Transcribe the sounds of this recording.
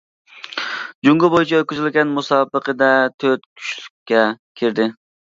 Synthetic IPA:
d͡ʒuŋɡʊbojyt͡ʃʰɛøt̪̚kʲyzylɡʲɛnmusɑːbəqəd̪ɛt̪ʰøɾt̪kʲʰy̥ʃly̥kʲʰːɛkʲʰeɾd̪ɪ

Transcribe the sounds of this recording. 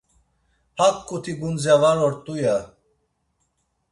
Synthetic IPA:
hakːʼut̪ʰiɡunzjavalɔɾt̪ʼuja

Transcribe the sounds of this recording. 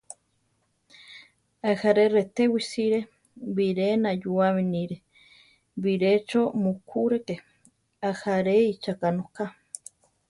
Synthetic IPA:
ahaɾeret̪ewisiɾe | βiɾenajuaminiɾe | βiɾet͡ʃomukʰuɾeke | ahaɾeit͡ʃakanoka

